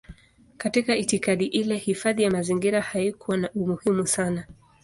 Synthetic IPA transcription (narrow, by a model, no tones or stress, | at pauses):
katikaitikaɗiʔilɛhifaðijamaziŋɡiɾahajikuwanaʔumuhimusana